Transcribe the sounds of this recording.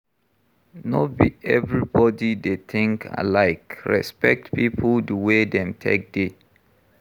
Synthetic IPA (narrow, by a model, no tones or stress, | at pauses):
nɔbiɛvɹibɔdidetʰɪ̃ŋkʰa̰laɪkɹɛ̰spɛk̚tpipʰldəwedɛ̃mtʰḛk̚de